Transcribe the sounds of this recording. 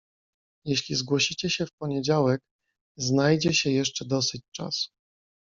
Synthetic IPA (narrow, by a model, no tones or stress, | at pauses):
jɛɕlʲizɡwɔɕit͡ɕɛɕɛfpɔɲɛd͡ʑawɛk | znajd͡ʑɛɕɛjɛʂt͡ʂɛd̪ɔsɘt͡ɕt͡ʂa̰su̥